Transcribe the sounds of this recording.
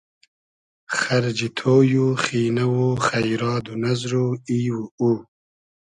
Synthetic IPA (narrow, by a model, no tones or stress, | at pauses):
xɐɾd͡ʒit̪ʰoːjuxiːnawuχɐjɾɑːd̪unazɾuiːwuu